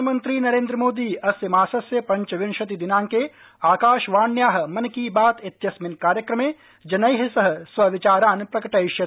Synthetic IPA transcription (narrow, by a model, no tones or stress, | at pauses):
mɐ̃nt̪ɾiːnɐɾẽːnd̪ɾəmoːd̪iːɐsjɐmaːsɐsjɐpɐ̃ɲt͡ʃʋɪnʃɐt̪id̪ɪnãːŋke | aːkaːʃʋaːɳjaːɦ̆mɐnkibaːt̪ɪt̪jɐsmɪnkaːɾjɐkɾɐmeː | d͡ʒɐnɐjɦɪsɐɦsʋɐʋɪt͡ʃaːɾaːnpɾɐkɐʈɐɪʃjɐ